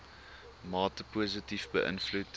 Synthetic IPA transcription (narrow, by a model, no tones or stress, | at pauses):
mɑːtəpuːzətifbəʔə̰nflut